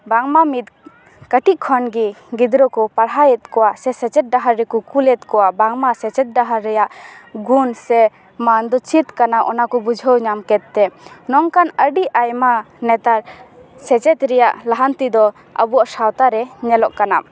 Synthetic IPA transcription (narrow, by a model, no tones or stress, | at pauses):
baŋmamit̪̚ | kəʈiʔ̚kʰɔnɡiɡid̪ɾɔkɔpaɾɦajɛt̪̚kɔwasɛsɛt͡ʃɛt̪̚ɖaɦaɾːɛkɔkulɛt̪̚kɔwaʔbaŋmasɛt͡ʃɛt̪̚ɖaɦaɾːɛjaʔɡunsɛ | mand̪ɔt͡ʃʰit̪kanaʔɔnakɔbud͡ʒʱəwɲamkɛt̪̚ːɛnɔŋkanəɖiajma | nɛt̪aɾsɛt͡ʃɛt̪ɾɛjaʔlaɦant̪id̪ɔ | ə̰buaʔsawt̪aɾɛɲɛlɔʔkana